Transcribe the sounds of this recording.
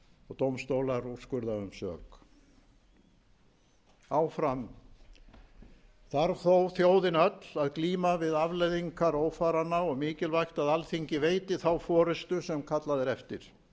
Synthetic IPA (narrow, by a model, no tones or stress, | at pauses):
ɔt̪owmst̪owlaɾu̥skʏɾðaʏmsœ̰ːk | aːwfɾam | θaɾθowθjoːwðɪnœt̪laðkliːmavɪðavlejðiŋkaɾoːwfaːɾanːaɔɣmɪːcɪlvajxt̪aðalθiɲcɪveːjt̪ɪθawfɔːɾʏst̪ʏsɛmkʰat̪laðɪɾɛft̪ɪ̰ɾ̥